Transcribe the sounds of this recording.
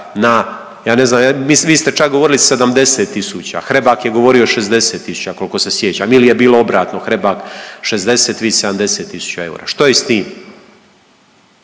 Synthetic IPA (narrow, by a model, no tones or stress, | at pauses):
na | jaːne̞znaːmjamisʋiːst̪et͡ʃak̚ɡo̞ʋo̞ɾilise̞d̪amd̪e̞seːt̪ːisut͡ɕa̰xɾebaːkjeɡo̞ʋo̞ɾioʃezd̪e̞se̞ːt̪ːisu̥t͡ɕakolkose̞sjet͡ɕaːmilije̞biːlo̞obɾaːt̪noxɾe̞bakʃezd̪e̞set̪ʋiːse̞d̪amd̪e̞se̞ːt̪ːisu̥t͡ɕae̞ṵɾa̰ʃt̪ojest̪iːm